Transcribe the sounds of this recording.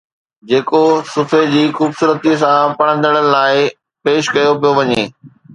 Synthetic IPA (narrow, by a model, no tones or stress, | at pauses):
d͡ʑeːkosʊfʰed͡ʑiːxuːbsuːɾət̪is̬ãpɐɽ̃ə̃nd̪əɽ̃əɪ̆laːɪ | peːʃkɐjopijoʋɐɲeː